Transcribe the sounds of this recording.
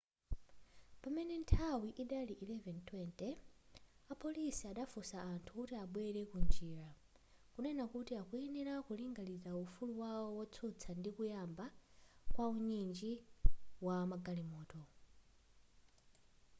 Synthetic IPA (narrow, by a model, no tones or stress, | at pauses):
pamɛnɛntʰawiʔiɗaliʔilɛvɛntʰwɛntɛ | apʰɔlisiaɗafusaːntʰukutiaɓwɛɾɛkund͡ʒiːɾa | kunɛnakutiakuɛniɾakuliŋɡaliɾaufuluwawɔwɔt͡sʰut͡sʰandikujambakwauɲind͡ʒiwamaɡalimɔːtɔ